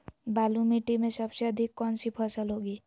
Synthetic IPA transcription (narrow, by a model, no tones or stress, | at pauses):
baːlumiʈimẽsəbseəd̪ʱikːɔnsipʰəsəlɦoɡiː